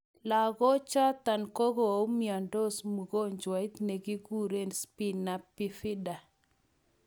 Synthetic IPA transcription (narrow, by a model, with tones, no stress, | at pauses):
la˨ɣɔ˦t͡ʃa˦t̪a˨nko˦ɣo˨o˨˦mia˨ndo˦smu˨ɡo˦ɲd͡ʒwa˨ɪ˦t̪ne˨ɡi˦ɡu˦˨ɾe˦˨nspi˦na˨pɪ˨fɪ˦da˨